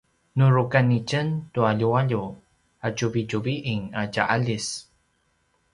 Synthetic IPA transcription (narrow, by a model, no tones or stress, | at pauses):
nuɾukanicəntuaʎuaʎu | acuvicuviʔiŋaɟaʔaʎis